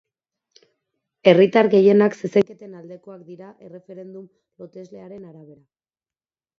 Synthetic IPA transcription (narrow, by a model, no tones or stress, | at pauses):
e̞rit̪aɾɣe̞je̞nakseseŋket̪e̞nald̪e̞ko̞akd̪iɾaʔere̞fe̞ɾe̞nd̪um | lo̞t̪e̞zle̞aɾe̞naɾaβe̞ɾa